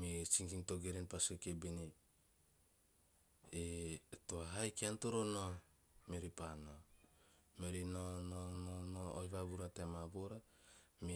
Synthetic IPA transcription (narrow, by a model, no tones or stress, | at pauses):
mit͡ʃiŋkiŋto̞ɡeɾenpasokebini | etoaɦajkiantoɾono | meɾipano | meɾinonononoojβaβuɾatemaboɾa | mi